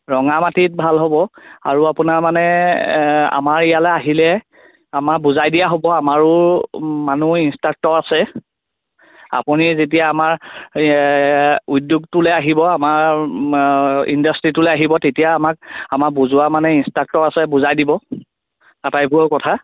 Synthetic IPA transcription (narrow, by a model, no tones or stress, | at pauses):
ɹɔŋamatit̚bʱalɦobɔa̰ɹuapʊnaɹmanɛ | a̰maɹijalɛaɦilɛ | amabuzajdijaɦobɔamaɹʊ | manuinstak̚tɔɹasɛ | a̰punizet̬ijaːmaɹ | udjuɡ̚tʊlɛaɦibɔamaɹ | ḭndastɹitʊlɛaɦibɔtetijaːmak̚amak̚buzʊwamanɛinstak̚tɔɹasɛbuzajdibɔ | atajbʊɔkɔtʰa